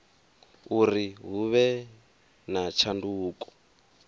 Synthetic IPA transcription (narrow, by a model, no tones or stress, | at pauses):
uriɦuβɛ | nat͡ʃʰanduːkʼɔ̥